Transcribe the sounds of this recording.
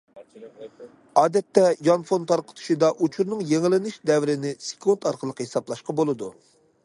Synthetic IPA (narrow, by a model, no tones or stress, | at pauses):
ɑːd̪ɛt̪ːɛjɑnfont̪ʰɑɾqʰə̥t̪ʰu̥ʃid̪ɑʔut͡ʃʰuɾnɨŋjeŋɪlɪnɪʃd̪ɛvɾɪnɪse̥kʰunt̪ɑɾqʰəlˠəqʰhesɑblˠɑʃqɑbolˠɨd̪u